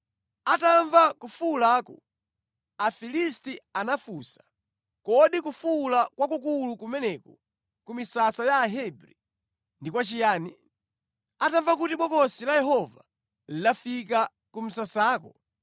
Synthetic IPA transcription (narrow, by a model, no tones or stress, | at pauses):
ataɱvakufulaːkɔ | afilistianafuːsḁ | kɔɗikufulakwakukulukumɛnɛkɔ | kumisasajaːɦɛbɾi | ndikwat͡ʃijaːni | ataɱvak̬utiɓɔkɔsilajɛɦɔva̰ | lidafika | kum̩sasaːkɔ